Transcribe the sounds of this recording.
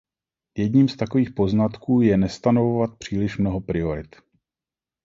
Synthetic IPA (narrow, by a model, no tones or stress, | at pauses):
jɛdɲiːmst̪ako̞viːxpo̞znat̪kuːjɛnɛst̪ano̞vovat̪̚pr̝̥iːlɪʃmno̞ɦo̞pɾɪo̞ɾɪt̪